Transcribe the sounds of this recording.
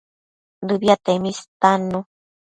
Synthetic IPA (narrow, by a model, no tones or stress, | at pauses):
dɨbjat̪emist̪anu